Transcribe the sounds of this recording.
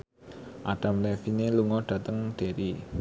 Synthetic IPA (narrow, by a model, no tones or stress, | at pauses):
ʔaɖ̥a̤mlɛfineluŋɔɖ̥ä̤t̪əŋɖ̥e̤ɾi